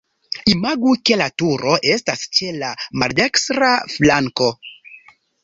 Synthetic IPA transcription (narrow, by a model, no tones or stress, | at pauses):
imaɡuke̞latuɾo̞ʔe̞stast͡ʃe̞lamalde̞kstɾaflaŋko̞